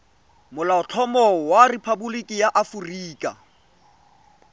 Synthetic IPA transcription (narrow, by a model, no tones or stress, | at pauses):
mʊlaʊt͡ɬʰɔmɔwarɪpʰabulikʼɪjaʔafuriːkʼa̰